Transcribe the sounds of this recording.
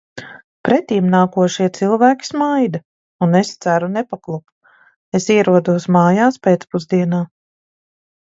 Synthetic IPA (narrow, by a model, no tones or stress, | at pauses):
pɾɛt̪iːmnaːkuɔʃiɛt̪silˠvæːkʲi̥smajd̪a | unest̪sæɾunɛpaklˠup | esiɛɾuɔd̪uɔsmaːjaːspeːt̪spuzd̪iɛnaː